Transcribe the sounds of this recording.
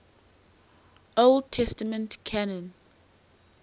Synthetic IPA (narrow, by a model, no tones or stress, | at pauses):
old̚tʰɛstəmə̃ntkʰanɔ̃n